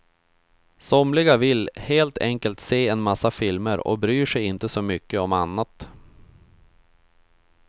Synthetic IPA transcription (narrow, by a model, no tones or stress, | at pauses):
sɔmlɪɡavɪlheːlt̪ʰɛŋkəlt̪seːɛnmasːafɪlməɾɔ̰bɾyːʂɛjɪnt̪əsɔmʏkːəɔmanːat̪